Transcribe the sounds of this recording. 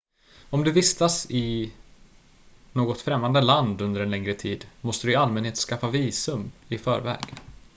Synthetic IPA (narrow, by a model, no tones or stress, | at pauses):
ɔmd̪ɵvɪst̪asɪ | noːɡɔt̪fɾɛmːand̪əland̪ɵnd̪əɾɛnlɛŋɾət̪ʰiːd̪mɔst̪əd̪ɵɪalmɛnheːt̪skafːaviːsɵmɪfœːɾvɛ̰ːɡ